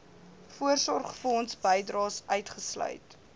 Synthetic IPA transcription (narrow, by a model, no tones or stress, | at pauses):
fuərsɔrχfəɔnsbəjdrɑːsœɥtχəslœ̰ɥt